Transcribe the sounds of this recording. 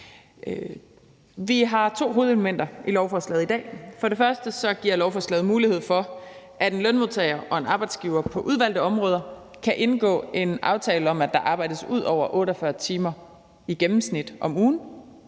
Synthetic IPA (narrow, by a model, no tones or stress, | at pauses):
ʋiɦɑ̈t͡sʰo̝̰ːɦo̝ːð̞̩ˠeləmen̰d̥ɐʔilɒʊfɒslɛð̞̩ˠid̥ɛ̰ːfɒ̽ɾe̝fɶɐsd̥əsɒ̽ɡ̥iɐ̰lɒʊfɒslɛːð̞̩ˠmuːlihe̝ð̞̰ˠfɒ̽ | ʔæɾ̥e̝nlønmoðˠt͡sʰɛɪɐʔɒ̽e̝nɑ̈ːb̥ɑ̈ɪd̥sɡ̥iʊɐpʰɒ̽ʔuð̞ˠʋæl̰d̥əɒ̽mʁɔːð̞ˠɐ | kʰæʔe̝nɡ̥ɔ̰̽ːe̝nʔɑ̈ʊt͡sʰɛːləɒ̽mæd̥ɑ̈ʔɑ̈ːb̥ɑ̈ɪ̰d̥əsuð̞̰ˠɒʊ̰ɐʔɔ̽ːɾɐfɶɐt͡sʰiːmɐ | iɡ̥emm̩snid̥ʔɒ̽muːn̩